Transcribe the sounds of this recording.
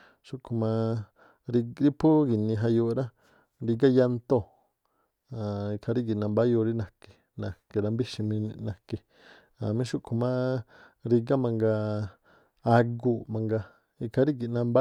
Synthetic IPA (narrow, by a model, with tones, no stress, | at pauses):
ʃu˦ʔkʰu˧mã˧ | ɾi˧ɾi˦pʰu˦ɡi˨nĩ˧ɦa˧jo˧ɾa˦ | ɾi˧ɡa˦ja˧nt̪o˦ | a˨i˧kʰa˧ɾi˦ki˨nã˧mba˦jo˧ɾi˦nã˨ke̥˨ | nã˨ke˧ɾa˧mbi˦ʃi˧mĩ˧nĩ˧nã˧ke˧ | ã˨mĩ˧˦ʃu˦kʰu˧mã˦ | ɾi˧ɡa˦mã˧ŋɡa˧ | a˧ɡu˧mã˧ŋɡa˧ | i˧kʰa˧ɾi˦ki˧˨nã˧mba˦